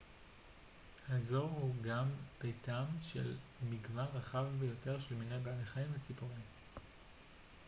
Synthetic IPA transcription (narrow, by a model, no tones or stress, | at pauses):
hazo̞ʁhuɡampejtamʃḛlmiɡvanʁaχavbejo̞te̞ʁʃelminejbealeχaimvet͡sipoʁim